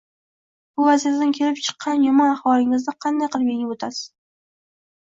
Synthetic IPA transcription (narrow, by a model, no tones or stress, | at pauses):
b̥ʊvaziɾad̪ɪnkʲʰe̞lɪp̚t͡ʃʰɨ̥qʰːɑnjʊmɒnɑχwɒlˠɪŋɪzd̪ɪqʰɑnd̪ajqʰɨlˠpjeŋʲɪot̪ʰasɪ̥z